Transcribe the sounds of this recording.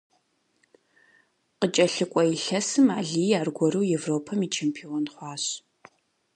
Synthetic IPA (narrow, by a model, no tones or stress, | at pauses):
qət͡ʃʼɐɬɨkʷʼɔiɬɐsɨmaːɮiːjaːrɡʷɔɾɨwjevroːpʰɐmiːt͡ʃʰempʰionχʷɑːɕ